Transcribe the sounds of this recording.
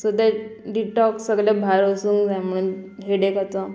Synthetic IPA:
sud̪aɖiʈɔksəɡljabʱaɾosuŋd͡zajməɽunɦeɽekat̪ɔ

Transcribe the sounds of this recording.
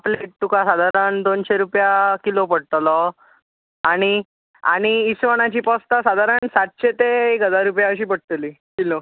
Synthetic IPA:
pleʈ̚t̪ukasad̪ʱaɾənd̪onɕeɾupjakilopəɽ̤t̪lɔ | aɽ̃i | a̰ɽ̃iːsʋəɽ̃at͡ɕiːpɔst̪asad̪ʱaɾənsat̪̚ɕet̪eekɦəd̪ʱaɾupjaəɕiːpəɽt̪liː | kilo

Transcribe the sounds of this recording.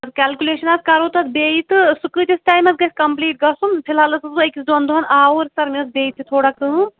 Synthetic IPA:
ɐskʲaːlkʲuleːʃɐnɐskɐɾoːt̪ɐt̪beːit̪ɨsukɨːt̪isʈaːjmɐsɡɐsʲkɐmpliːʈ̚ɡɐsunpʰilɦɐlɐsɐsuɐkʲisd̪ond̪uɦɐnaːoːɾʲsɐɾmiɐsbeːit̪ʰit̪ʰoːɽɐk̚t̪ɨu

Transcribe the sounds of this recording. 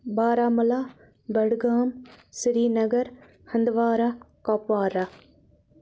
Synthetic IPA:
baːɾaːmɐlaː | bɐɽɡaːmsɾiːnɐɡɐɾ | hɐnd̪ʋaːɾa | kɔːpʋaːɾa

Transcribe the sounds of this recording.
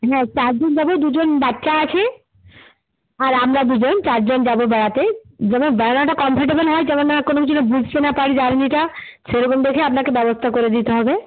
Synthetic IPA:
ɦɛ̃t͡ɕaɾd͡ʑond͡ʒabod̪ud͡ʑonbatːʃaat͡ɕʰe | aɾamɾad̪ud͡ʑont͡ɕaɾd͡ʑond͡ʑabobɛɽat̪ed͡ʑɛmonbɛɽanaʈakɔmpʰaɾʈ̬ebəlɦɔed͡ʒɛmonːakonokit͡ɕʰunabud͡ʑʱt̪enapaɽid͡ʑaɾniʈa | seɾokomd̪ekʰeapnakebɛbost̪ʰakoɾed̪it̪eɦɔbe

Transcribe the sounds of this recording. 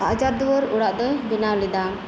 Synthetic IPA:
ad͡ʒaɾd̪uwɔɾuɽaʔd̪ɔjbinawlid̪a

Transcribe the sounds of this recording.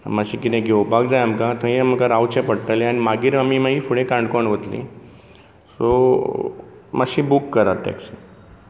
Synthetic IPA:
maɕiːkit̪ɛ̃ɡewbaɡd͡zajamkãt̪ʰə̃jem̤əkaɾawt͡ɕẽpəɽʈ̪aleañimaɡiːɾamiːmaɡiːfuɽẽkãɳɖkoɳʋət̪lḭ | so | maɕiːbukːəɾat̪̚ːa̰ksi

